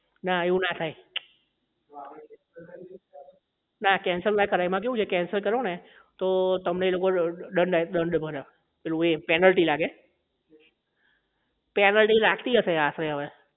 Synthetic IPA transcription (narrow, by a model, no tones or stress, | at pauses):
naeũnat̪ʰaj | nakɛnsəɾlajkəɾajmãk̬eũt͡ʃʰekɛnsəɾkəɾone | t̪ot̪əmneːlokoɖəɳɖɗəɳɖbʱəɾa | pelũepɛnəlʈilaɡe | pɛnəlʈilaɡt̪iɦəʃeasɾeɦəʋe